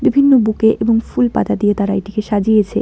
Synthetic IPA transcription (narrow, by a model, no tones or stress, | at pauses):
bibʱinːobukeʔeboŋfulpa̰t̪ad̪ijet̪aɾaeʈikeʃad͡ʑijet͡ɕʰḛ